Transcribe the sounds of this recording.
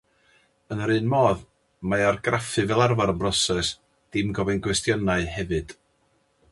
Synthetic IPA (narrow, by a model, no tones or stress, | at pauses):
ənəɾɨnmɔːð | maarɡrafɨvɛlˠarvaɾənbrɔsɛs | d̥ɪmɡɔvɛnɡwɛstjɔnaɨhɛvɨd̥